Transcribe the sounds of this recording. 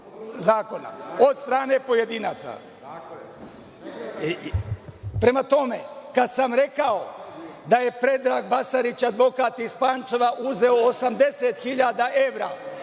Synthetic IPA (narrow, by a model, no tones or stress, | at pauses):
zaːko̞na̰o̞d̪st̪ɾaːne̞po̞je̞d̪iːnaːt̪sa̰ | pɾe̞mat̪o̞me̞kad̪samɾe̞kaod̪aje̞pɾe̞d̪ɾaːɡbasaɾit͡ɕad̪ʋo̞kaːt̪ispaːnt͡ʃeʋaʔuze̞oːsamd̪eset̪xiʎaːd̪aʔe̞ʋɾa̰ː